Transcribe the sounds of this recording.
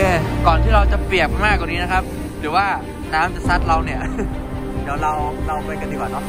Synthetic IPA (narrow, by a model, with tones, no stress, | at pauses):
e˧˩kɔː˨˩nt̪ʰiː˥˩ɾa˧wt͡ɕa˨˩pli˨˩ək̚maː˥˩kːwaː˨˩niː˦˥na˦˥kʰa˦˥p̚ | ɾɯː˩˦waː˥˩ | naː˦˥mt͡ɕa˨˩sa˦˥t̪̚ɾa˧wni˥˩ɐ | d̪ɛː˩˦wɾa˧wɾa˧wkɯ˧˩ka˧niː˧˩waː˨˩t̪ɔ˧˩